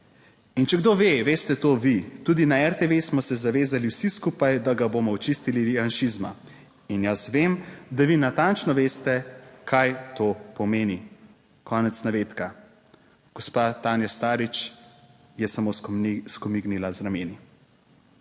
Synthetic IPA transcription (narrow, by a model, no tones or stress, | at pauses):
int͡ʃɛɡd̪oːʋeʋeːst̪ɛt̪oːʋit̪uːd̪inaɛɾt̪eʋesmɔsɛzaʋeːzaliwsiskuːpajd̪aɡaboːmɔɔt͡ʃist̪ilianʃizma̰ | injasʋemd̪aʋinat̪ant͡ʃnɔʋeːst̪ɛkʰajt̪oːpɔmeːni | kɔːnɛt̪snaʋeːt̪ka | ɡ̥ɔspat̪aːnjast̪aːɾit͡ʃ | jɛsamoskɔmiɡnilazɾameːni